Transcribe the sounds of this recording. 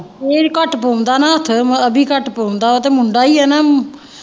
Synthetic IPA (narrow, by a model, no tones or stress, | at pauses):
peːɾkəʈpoːmd̪aːnãːət̪ʰəbʱiːkəʈpoːmd̪aːot̪eːmʊɳɖaːiːɛːnaː